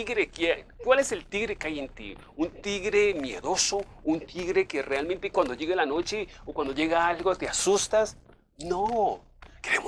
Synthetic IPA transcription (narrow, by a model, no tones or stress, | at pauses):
iɣɾekjekwale̞selt̪iɣɾekajent̪ḭ | unt̪iɣɾemjḛðo̞so | unt̪ʰiɣɾekerealmẽnt̪ekwand̪oʝeɣelanot͡ʃeokwand̪o̞ʝeɣaalɣot̪easust̪as | no | keɾem